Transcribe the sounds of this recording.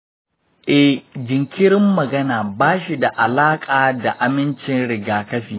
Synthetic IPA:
ʔɛ˦hd͡ʒɪ˨ŋkʲɪ˦ɾɪ˦mːɐ˨ɡɐ˦naː˨baː˦ʃi˨da˨ʔa˨laː˦kʼaː˨da˨ʔa˨mɪ˦nt͡ʃɪ˨nɽɪ˨ɡaː˨kɐ˦ɸiː˨

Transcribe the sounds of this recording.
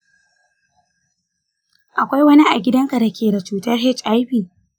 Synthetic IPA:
ʔa˨kʷa˦jwɐ˦ni˦ʔa˨ɡʲɪ˦dɐ˦ŋka˨da˨kʲeː˨da˨t͡ʃuː˨tɐ˦rɦɛ˦t͡ʃʔa˦jɸi˨

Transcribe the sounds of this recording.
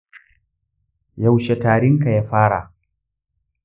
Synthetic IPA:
ja˨wʃe˨taː˨ɽɪ˦ŋka˨jaː˦ɸaː˦ɽa̰˨

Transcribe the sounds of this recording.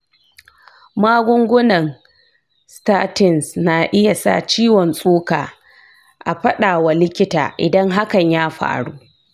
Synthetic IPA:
maː˦ɡʷʊ˦ŋɡʷʊ˦nɐ˨ŋ | staː˦tɪ˨nsna˨ʔɪ˦ja˨sa̰˦˨t͡ʃiː˦wɔ˨nsʼuː˦kaː˨ | ʔa˨ɸɐ˦ɗaː˨wa˨lɪ˦kʲɪ˦ta̰ː˨ʔɪ̰˨dɐ˦ŋɦa˦kɐ˨ɲjaː˦ɸa̰ː˨ɽuː˦

